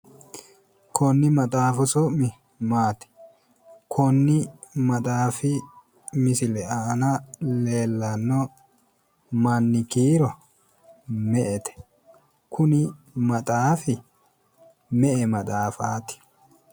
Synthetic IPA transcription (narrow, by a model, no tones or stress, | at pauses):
kʰɔnːɪmɐt̪ʼaːfʊsɔʔmɪ | maːt̪ɪ̥ | kʰɔnːɪmɐt̪ʼaːfɪ | mɪsɪlɛɐːnɐleːlːɐnːɔ | mɐnːɪkiːɾɔ | mɛʔɛt̪ɛ̥ | kʰʊnɪ | mɐt̪ʼaːfɪ | mɛʔɛmɐt̪ʼaːfaːt̪ɪ̥